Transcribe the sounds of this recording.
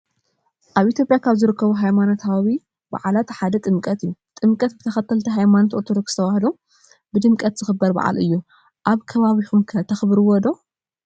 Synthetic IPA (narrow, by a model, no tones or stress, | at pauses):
ʔaβʔit̪ʰjo̞pʼjakʰaβzɨɾɨkʰːɐβuɦajmanot̪ʰawi | ba̰ʕalat̪ʰħad̪ɐt̪ʼɨmkʼɐt̪ɨjːut̪ʼɨmkʼɐt̪bɨt̪ʰɐxɐt̪ʰːɐlt̪ʰɐɦajmanot̪ot̪ʰod̪o̞kst̪ʰɐwahd̪o | bɨd̪ɨmkʼɐt̪z̥ɨxɨbːɐɾba̰ʕa̰lɨjːu | ʔaβkʰɐβaβixumkʰɐt̪ʰɐxbɨɾɨwɔd̪o̞